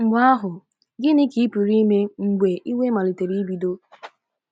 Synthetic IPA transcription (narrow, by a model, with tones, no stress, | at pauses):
mʷ˦a˦ɦʊ˨ | ɡɪ˦nɪ˦ki˨˦pi˨ɾi˦me˦ŋ͡m̩˨ɡ͡be˨ʔi˦we˦ma˨li˨te˨ɾi˦i˦bi˨do˦